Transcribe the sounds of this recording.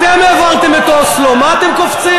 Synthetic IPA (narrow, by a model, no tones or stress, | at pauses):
t̪emeːvalt̪emet̪oslomaːt̪emkoft͡si